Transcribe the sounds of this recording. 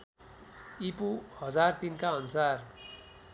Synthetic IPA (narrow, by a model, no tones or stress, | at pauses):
ipuhʌd͡zart̪inkaʌnusar